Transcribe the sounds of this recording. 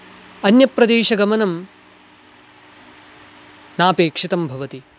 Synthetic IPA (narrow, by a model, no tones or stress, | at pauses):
ɐnjɐpɾɐd̪eːʃɐɡɐmɐnɐm | naːpeːkʂit̪ɐmbʱɐʋɐt̪i